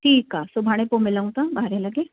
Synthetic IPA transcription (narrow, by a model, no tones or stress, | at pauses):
ʈʰiːkaːsʊbʱaːɽ̃ẽpomɪlaũt̪ãbaɦɾẽlɐɡeː